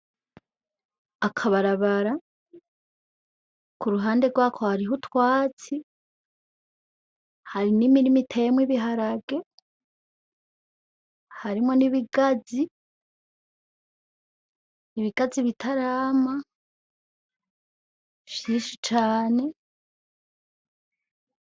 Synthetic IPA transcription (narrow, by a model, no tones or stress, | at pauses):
akʰaβaɾaβaɾa | kuɾuɦaːnde̞ɡwaːkʰo̞haɾiɦutwaːt͡si | haɾinimiɾimitʰemwiβiɦaɾaɡe̞ | haɾimŋo̞niβiɡazi | iβiɡ̥aziβitʰaɾaːma | ʃiːnʃit͡ʃaːne̞